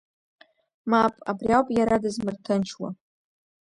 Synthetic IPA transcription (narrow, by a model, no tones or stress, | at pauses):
mapʼabriawpʼjaɾadɨzmɨrtʰɨnt͡ʃʰwa̰